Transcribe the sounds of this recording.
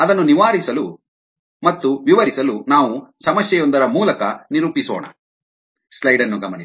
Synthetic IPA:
ɐd̪ɐnːuniʋaːɾisɐlu | mɐt̪ːuʋiʋɐɾisɐlunaːʋusɐmɐsjɛjond̪ɐɾɐmuːlɐkɐniɾuːpisoːɳɐ̰ | slɐjɖɐnːuɡɐmɐni

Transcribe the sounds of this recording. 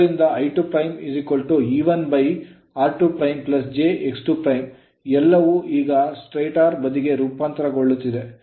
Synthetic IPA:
ɾind̪ɐɐjʈupɾɐjmisikolʈuiːʋɐnbɐj | aːɾʈupɾɐjmplɐs̬d͡ʒeʔeksʈupɾɐjm | ɛlːɐʋuʔiːɡɐsʈɾejʈaːɾbɐd̪iɡe̞ɾuːpaːnt̪ɐɾɐɡoɭːut̪ːid̪e̞

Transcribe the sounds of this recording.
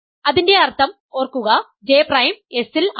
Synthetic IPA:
ɐðinde̞ɐrt̪ʰɐm | o̞ːrkːuɣɐ | d͡ʑe̞ːprɐjme̞sil

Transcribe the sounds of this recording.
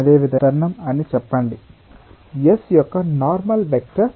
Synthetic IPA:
d̪eːʋid̪ɐɐɾnɐmɐnːit͡ʃɛpːaːɳɖi | jesjɔkːɐnaːɾmɐlʋek̚ʈɐɾ

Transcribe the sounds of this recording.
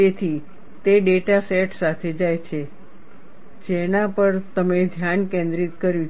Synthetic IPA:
et̪ʰi | t̪eɖeʈaseʈsat̪ʰed͡ʒajt͡ʃʰe | d͡ʒenapəɾt̪əmed̪ʱjankẽnd̪ɾit̪kəɾjũ

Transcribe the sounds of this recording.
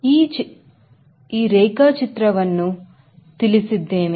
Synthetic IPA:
iːɾɛjkaːt͡ʃit̪ɾɐʋɐnːu | t̪ilisid̪ːeːni

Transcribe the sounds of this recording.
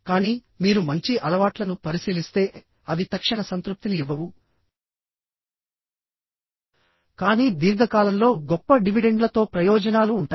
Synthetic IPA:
kaːniː | miːɾumɐɲt͡ʃiʔɐlɐʋaːʈlɐnupɐɾisiːlist̪e̞ː | ɐd̪it̪ɐkʂɐɳɐsɐnt̪ɾup̚t̪iniiʋɐʋu | kaːniːd̪iːɾɡʱɐkaːlɐmlo̞ːɡɔpːɐɖiʋiɖe̞ɳɖlɐt̪o̞ːpɾɐjɔːd͡ʒɐnaːluːɳʈaː

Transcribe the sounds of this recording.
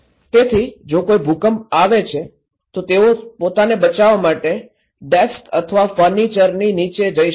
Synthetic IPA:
t̪et̪ʰid͡ʒokoibʱukəmaʋet͡ʃʰe | t̪ot̪eopot̪anebət͡ʃaʋamaʈe | ɖeskə̰t̪ʰəʋafəɾnit͡ʃəɾninit͡ʃed͡ʒəi

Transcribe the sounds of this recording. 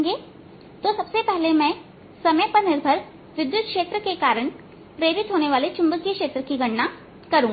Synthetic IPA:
ɡeː | t̪osɐbsepɛɦlemɛ̃ː | sɐməjpɐɾnɪɾbʱəɾ | ʋɪd̪jʊd̪̚kʃeːt̪ɾəkekaːɾəɽ̃ | pɾeːɾɪt̪ɦoːneʋaːlet͡ʃʊ̃mbəkijəkʃeːt̪ɾəkiɡʱɐɽna | kɐɾũː

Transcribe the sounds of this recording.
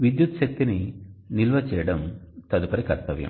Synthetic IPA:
ʋid̪jut̪ʃɐk̚t̪ininilʋɐt͡ʃɛːjɐɽɐmt̪ɐd̪upɐɾikɐɾt̪ɐʋjɐ̰m

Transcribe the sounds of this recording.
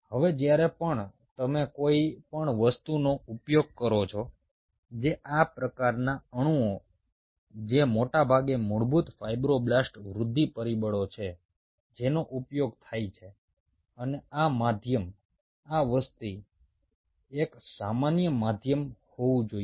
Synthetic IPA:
həʋed͡ʒjaɾepəɳ | t̪əmekoipəɳʋəst̪unoupjoɡ̚kəɾot͡ʃʰo | d͡ʒeʔapɾəkaɾnaəɽ̃ũo | d͡ʒemoʈabʱaɡemuɭbut̪fajbɾoblasʈʋɾʊd̪ʱːipəɾibəɭot͡ʃʰe | d͡ʒenoʔupjoɡ̚t̪ʰajt͡ʃʰe | əneamad̪ʱjəm | aʋəst̪i | eksamanjəmad̪ʱjəmhoʋũd͡ʒoi

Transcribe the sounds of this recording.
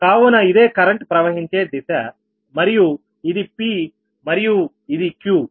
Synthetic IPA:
kaːʋunɐid̪e̞ːkɐɾɐɳʈpɾɐʋɐɦiɲt͡ʃeːd̪isa | mɐɾiju | id̪ipi | mɐɾiju | id̪ikju

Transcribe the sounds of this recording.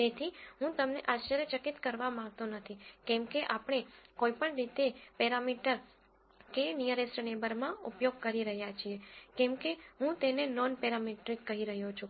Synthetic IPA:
t̪et̪ʰiɦũt̪əmnḛʔaʃəɾjət͡ʃəkit̪kəɾʋamãŋɡ̚t̪onət̪ʰikɛmkeʔapɳ̃ekoipəɳɾit̪epɛɾamiʈəɾ | kenijəɾesʈnebəɾmãupjoɡ̚kəɾiɾəɦjat͡ʃʰiekɛmkeɦũt̪enenɔnpɛɾamiʈɾikːəɦiɾəɦjot͡ʃʰũ

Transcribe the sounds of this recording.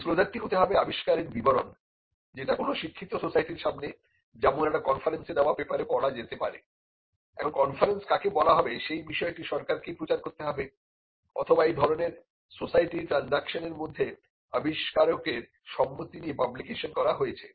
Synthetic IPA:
slod͡ʑaʈʈiɦot̪eɦɔbeabiʃkaɾeɾbiboɾon | d͡ʑeʈakonoʃikʰːit̪ːososajʈiɾʃamne | d͡ʑɛmonɛʈakɔnfaɾensed̪eoabepaɾepɔɽad͡ʑet̪epaɾḛ | ɛkʰonkɔnfaɾenskakebɔlaɦɔbeʃejbiʃɔeʈiʃɔɾkaɾkepɾot͡ɕaɾkoɾt̪eɦɔbe | ɔ̰t̪ʰobaejd̪ʱɔɾoneɾ | sosajʈiʈɾanzakʃoneɾmod̪ʱːe | abiʃkaɾokeɾ | ʃɔmːot̪ːiniepablikeʃonkɔɾaɦoet͡ɕʰe

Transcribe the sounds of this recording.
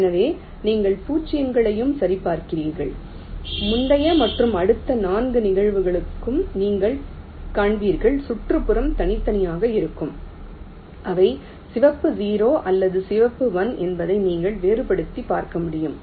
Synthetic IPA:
ɛnɐʋeː | niːŋɡɐɭpuːt͡ʃːɪjɐŋɡɐɭɐjɯmsɐɾipːaːɾkɪriːɾɣɐɭ | mʊɳɖɐjɐmɐʈrɯmɐɽɯt̪ːɐnaːnɡɯnɪɣɐɻʋɯɣɐɭɯkːɯmniːŋɡɐɭ | kaːɳʋiːɾɣɐɭsʊʈrɯpɯɾɐmt̪ɐnɪt̪ːɐnɪjaːɣɐɪɾɯkːɯm | ʔɐʋɐɪ | sɪʋɐpːɯziːɾoːʔɐlːɐðɯsɪʋɐpːɯʋɐnɛnbɐðɐɪniːŋɡɐɭʋeːɾɯpɐɽɯt̪ːipaːɾkɐmʊɽɪjɯm

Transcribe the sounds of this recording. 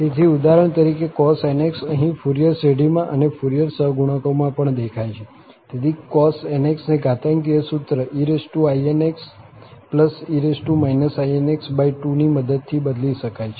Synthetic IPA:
t̪et̪ʰiud̪aɾəɳ̃t̪əɾikekɔseneksəɦĩfuɾijəɾseɽimãʔənefuɾijəɾsəɦɡuɽ̃əkomãpəɳd̪ekʰajt͡ʃʰe | t̪et̪ʰikɔseneksneɡʱat̪əŋɡiəsut̪ɾəʔiɾesʈuaieneks | pləsiɾesʈumainəsaieneksbajʈuniməd̪əd̪̚t̪ʰibəd̪liʃəkajt͡ʃʰe

